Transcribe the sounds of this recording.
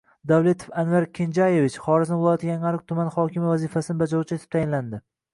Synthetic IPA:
d̪avlˠe̞t̪ʰo̥fanvaɾkʲʰend͡ʒajevɪt͡ʃχɒɾɪznɪbolˠɒt̪ʰɡʲaŋalɪk̚ʲt̪ʰʊmanχɒkʲʰɪmvazifasɪnɪbad͡ʒalut͡ʃʰɪet̪ʰɪ̥pt̪ʰajɪnland̪ɪ

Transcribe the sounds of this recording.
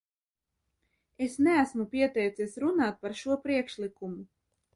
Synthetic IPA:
esnɛæsmupʲiɛt̪ɛjt̪sisɾunaːt̪̚paɾʃuɔpɾiɛkʃlikumu

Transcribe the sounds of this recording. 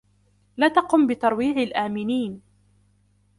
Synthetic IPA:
laːt̪ɑqʊmbɪt̪ɑɾˤwiːʕalʔaːmɪniːn

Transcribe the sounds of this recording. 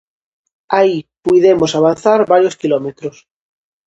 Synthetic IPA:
aipuiðemosaβ̞anθaɾβaɾjoskilomet̪ɾos

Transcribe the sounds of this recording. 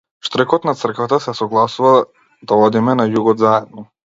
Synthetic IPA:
ʃt̪ɾɛkɔt̪nat̪sr̩kvat̪asɛsɔɡlˠasuva | d̪aɔd̪imɛnajuɡɔd̪zaɛd̪nɔ

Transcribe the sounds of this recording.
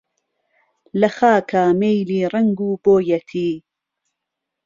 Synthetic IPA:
lɐxaːkʰaːmejliːrɐŋɡuːboːjɐt̪ʰiː

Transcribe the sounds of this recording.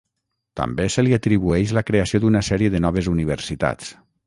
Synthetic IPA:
t̪a̰mbesəliat̪ɾiβuɛʃləkɾeasiod̪unasɛɾiəðənɔβ̞ezuniβ̞əɾsit̪a̰t͡s

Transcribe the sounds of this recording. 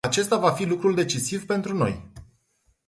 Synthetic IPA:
at͡ʃe̞st̪avafilukɾuld̪e̞t͡ʃisivpe̞nt̪ɾuno̞̰j

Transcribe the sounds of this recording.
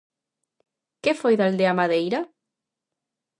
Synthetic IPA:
kefojðald̪eamaðejɾa

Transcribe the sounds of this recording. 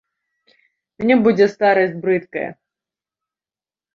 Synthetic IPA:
mʲnʲibud͡zʲɛst̪aɾɐsʲtʲbɾɨt̪kɐjɐ̰

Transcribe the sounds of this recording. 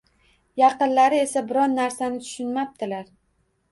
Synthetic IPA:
jɑqɨnlaɾɪe̞sabɪɾɒnːaɾsanɪt̪ʰʊ̥ʃʊnmap̚d̪ɪlaɾ

